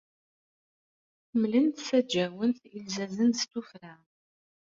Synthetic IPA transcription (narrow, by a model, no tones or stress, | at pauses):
mlənt̪sæd͡ʒæwənθilzæzənst̪ufɾa